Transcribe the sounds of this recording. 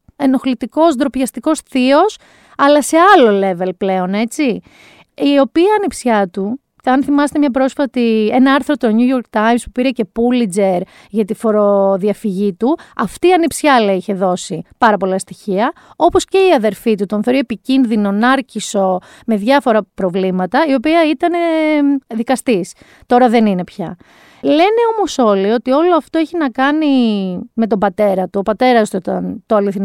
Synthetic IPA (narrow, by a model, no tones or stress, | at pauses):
e̞no̞xlit̪iko̞zd̪ɾo̞pçɐst̪iko̞sθio̞s | ɐlɐse̞ɐlo̞le̞ve̞lple̞o̞ne̞t͡si | io̞piɐnipsçɐt̪u | cɐnθimɐse̥t̪e̞mɲɐp̬ɾo̞sfɐt̪ie̞nɐɐɾθɾot̪oɲujoɾk̚t̪ɐjmspupiɾece̞pulid͡ze̞ɾ | ʝɐt̪ifo̞ɾoðiɐfiʝit̪uɐft̪iːɐnipsçɐlɐiçe̞ðo̞sipɐɾɐpo̞lɐst̪içiɐo̞po̞sce̞iɐðe̞ɾfit̪ut̪o̞nθo̞ɾie̞picinðino̞nɐɾciso̞ | me̞ðʝɐfo̞ɾɐpɾo̞vlimɐt̪ɐio̞piɐit̪ɐne̞ðikɐst̪is | t̪o̞ɾɐðe̞nine̞pçɐ | le̞ne̞o̞mo̞so̞lio̞t̪io̞lo̞ɐft̪oeçinɐkɐnime̞t̪̬o̞bɐt̪e̞ɾɐt̪uopɐt̪e̞ɾɐst̪uit̪ɐnt̪oɐliθin